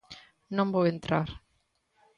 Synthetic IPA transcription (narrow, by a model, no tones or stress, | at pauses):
nõmbojent̪ɾaɾ